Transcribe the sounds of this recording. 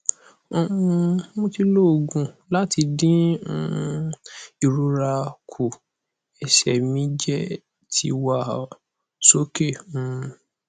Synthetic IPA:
o˧ũ˧mõ˦ti˧lo˦o˨ɡũ˨la˦ti˧dĩ˦˧ | i˨ɾu˧ɾa˧kʰu˨ | ɛ˨ʃɛ˨mĩ˦d͡ʒɛ˦ | tʰḭ˧wa˦˨ | so˦ke˦˨ũ˦

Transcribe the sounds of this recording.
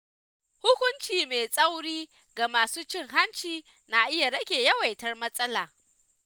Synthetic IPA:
hʊ˦kʷʊ˦nt͡ʃiː˨meː˨sʼɐ˦wɽiː˦ | ɡa˨maː˨suː˦t͡ʃɪ˦ŋɦa˦nt͡ʃiː˨ | na˨ʔɪ˦ja˨ɽɐ˦kʲeː˨jɐ˦wa˨jtɐ˦rmɐ˦sʼɐ˦laː˨

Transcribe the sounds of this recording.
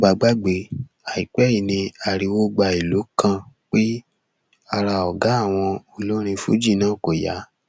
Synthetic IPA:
ɡ͡ba˨ɡ͡ba˦ɡ͡be˧ | a˨i˨k͡pɛ˦i˦˨nĩ˧a˨ɾi˨˧wo˦ɡ͡ba˧i˨lo˨˦kã˦˨k͡pe˦ | a˧ɾa˧˨ɔ˨ɡa˨˦a˦˨w̃ɔ̃˧o˧lo˦ɾ̃ĩ˧fṵ˨˦d͡ʒi˦˨nãː˦˨ko˨ja̰˨˦

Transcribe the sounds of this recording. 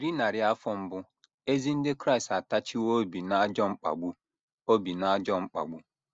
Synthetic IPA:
ɾi˦na˨ɾɪ˦a˦fɔ˦m̩˦bʊ˦ | e˦zi˦n̩˦dɪ˦kɾa˦i˨sta˨ta˦t͡ʃi˦wo˦bi˨na˦d͡ʒɔ˦ŋ͡m̩˦k͡pa̰˨ɡ͡bu˦ | o˦bi˨na˦d͡ʒɔ˦ŋ͡m̩˦k͡pa̰˨ɡ͡bu˦

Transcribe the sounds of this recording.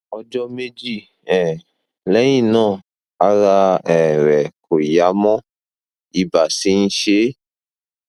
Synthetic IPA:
ɔ˧d͡ʒɔ˧me˦d͡ʒi˦˨ | ɛ˨ | lɛ˨˦j̃ĩ˦˨nãː˦˨ | a˨˦ɾa˧ɛ˨ɾɛ˨kʰo˨ja˨˦mɔ̃˦ | i˧ba˨si˨˦ñ̩˦ʃe˦

